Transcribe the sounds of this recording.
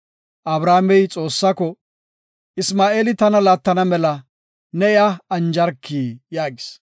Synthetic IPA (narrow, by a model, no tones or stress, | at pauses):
ʔɐbɾaːmɛjt͡sʼo̞ːsːɐkɔ | ɪsmaːʔe̞ːlɪt̪ɐnɐlaːt̪ːɐnɐmɛlɐ | nɛɪaɐnd͡ʒɐɾkʰːiːjaːɡɪs